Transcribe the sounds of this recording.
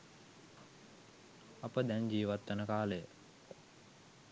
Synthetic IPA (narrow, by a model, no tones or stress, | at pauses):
ɐpəd̪ɛnd͡ʒiːʋat̪ːənəkaːləjə